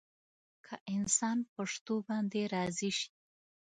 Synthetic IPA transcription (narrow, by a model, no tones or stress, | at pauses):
kʰaʔɪnsɑnpaʂt̪obɑnd̪eɾɑziʃi̥